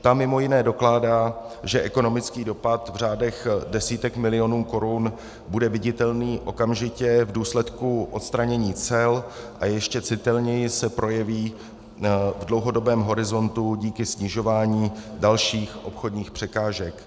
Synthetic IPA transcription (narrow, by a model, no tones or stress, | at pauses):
t̪amːɪmo̞jɪnɛːdo̞klaːdaː | ʒɛʔɛko̞no̞mɪt͡skiːdo̞pat̪vr̝aːdɛxdɛsiːt̪ɛkmɪlɪo̞nuːko̞ɾun | budɛvɪɟɪt̪ɛlniːʔo̞kamʒɪcɛvduːslɛt̪kuʔo̞t̪st̪ɾaɲɛɲiːt͡sɛl | ʔajɛʃcɛt͡sɪt̪ɛlɲɛjɪsɛpɾʔo̞jɛviː | vdlowɦo̞do̞bɛːmɦo̞ɾɪzo̞nt̪uɟiːkɪsɲɪʒo̞vaːɲiːdalʃiːxʔo̞pxo̞dɲiːxpr̝̥ɛkaːʒɛk